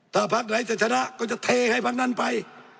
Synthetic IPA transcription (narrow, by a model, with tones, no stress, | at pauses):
t̪ʰaː˧˩pʰa˦˥k̪̚na˨˦jseː˧˩t̪̚sa˧na˧˥ʔkɔː˧˩t͡ɕa˧t̪ʰeː˧ha˧˩˨jpʰa˦˥k̪̚na˧˥˨npa˧j